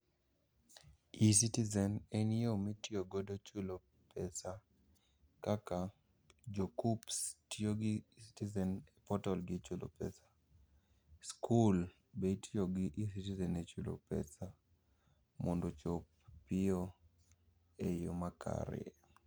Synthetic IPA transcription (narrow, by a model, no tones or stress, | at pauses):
isitizɛnɛniomitjoɡodot͡ʃulo | pɛsa | kaka | d͡ʒokupstioɡɪsi̥tizɛnɛpɔtɔlɡɪt͡ʃulʔo̰pɛ̰sḁ | skʰul | betjoɡɪʔisitizɛnet͡ʃulo̰pɛ̰sa | mondot͡ʃopː | ɪo | ejo̰makʰa̰ɾɛ̰